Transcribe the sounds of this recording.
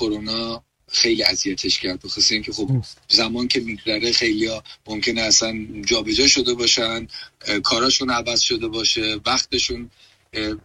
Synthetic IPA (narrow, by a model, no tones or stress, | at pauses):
kʰoɾonɒː | xe̞jliæzijæt̪ʰe̞ʃcʰæɾd̪̚boxoseiːŋcʰe̞xobzæmɒːncʰe̞miɡzæɾexe̞jlijɒmomcʰe̞neæsænd͡ʒɒːbed͡ʒɒːʃo̞d̪e̞bɒːʃænkʰɒːɾɒːʃunævæz̥ʃo̞d̪e̞bɒːʃe̞væxt̪ʰe̞ʃun